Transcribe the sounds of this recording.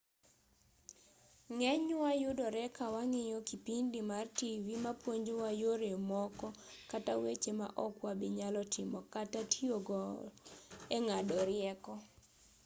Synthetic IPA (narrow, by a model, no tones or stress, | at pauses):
ŋɛɲwajʊdɔɾɛkawaŋɪjɔkipindɪmartivimapwoɲd͡ʒowajoɾemɔkɔ | katawet͡ʃema̰ʔɔkwabɪɲalɔtɪmɔkatatioɡɔ | ɛŋadɔɾɪɛkɔ